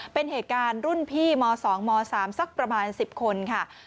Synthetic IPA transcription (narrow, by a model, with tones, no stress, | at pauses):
pe˧nɦeː˨˩t̪̚kaː˧nɾu˥˩npʰiː˥˩mɔː˧sɔː˩˦ŋmɔː˧saː˩˦msa˦˥k̚pɾa˧maː˧nsi˨˩p̚kʰo˧nkʰa˥˩